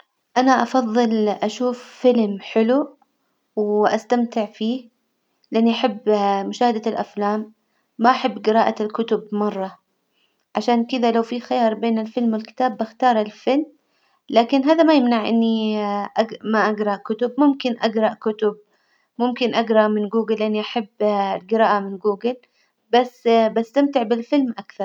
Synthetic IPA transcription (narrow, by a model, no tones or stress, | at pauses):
ʔanaʔɑfɑðˤːɨlʔaʃuːfːɪlmħɪlu | wʔast̪amt̪ɪʕfiː | lɪʔanːiʔaħabːmʊʃaːhad̪alʔaflaːmː | aʔaħabːɡɪɾɑːʔalkʊt̪ʊbmɑrˤːɑ | ʕaʃaːnkɪd̪alawfixajɑːɾˤbeːnɪlfɪlmwɪlkɪ̥t̪aːbːaxt̪ɑːɾˤalfɪlm | laːkɪnɦaːðamajɪmnaʕʔɪnːiʔaɡmaʔaɡɾˤɑʔkʊt̪ʊbmʊmkɪnʔaɡɾˤɑʔkʊt̪ʊb | mʊmkɪnʔaɡɾˤɑʔmɪnɡuːɡɪlːɪʔanːiʔaħabːlɡɪɾɑːʔamɪnɡuːɡɪl | basːbast̪amt̪ɪʕbɪlfɪlmʔakθɑɾˤ